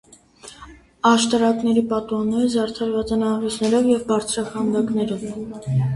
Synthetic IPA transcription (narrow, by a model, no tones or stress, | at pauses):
ɑʃt̪ɑɾɑknɛɾipɑt̪uɑnːɛɾɛzɑɾt̪ʰɑɾvɑt͡sɑnɑvɛsnɛɾɔvjɛvbɑɾt͡sʰɾɑkɑnd̪ɑknɛɾɔv